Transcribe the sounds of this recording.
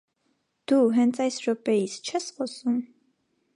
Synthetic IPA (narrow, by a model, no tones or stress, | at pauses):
d̪̥uɦɛnt͡sʰɑjsɾɔpɛjist͡ʃʰɛsχɔsum